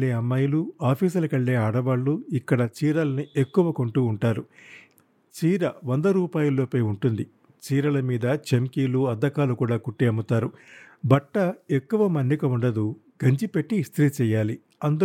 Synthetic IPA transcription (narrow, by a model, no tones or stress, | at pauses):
eːɐmːɐjuluaːpʰiːs̬ɐlɐkɐɭːe̞ːaːɽɐʋaːɭːuikːɐɽɐt͡ʃiːɾɐlɐniekːuʋɐko̞ɳʈuːɳʈaːɾu | t͡ʃiːɾɐʋond̪ɐɾuːpaːjulːo̞ːpɐjuɳʈund̪i | t͡ʃiːɾɐlɐmiːd̪ɐt͡ʃemkiːluɐd̪ːɐkaːlukuːɽaːkuʈːeːɐmut̪aːɾubɐʈːɐe̞kːuʋɐmɐnːikɐuɳɖɐd̪u | ɡɐɲt͡ʃipeʈːist̪ʰiɾit͡ʃɛːjaːli | ɐnd̪u